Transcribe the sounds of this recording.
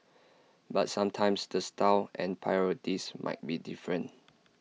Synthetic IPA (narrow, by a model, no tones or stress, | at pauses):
bat̚sãmtʰãɪ̃msdəstʰawʔɛ̃npʰajɔɹitismʔa̰ɪt̚bidifɹə̃n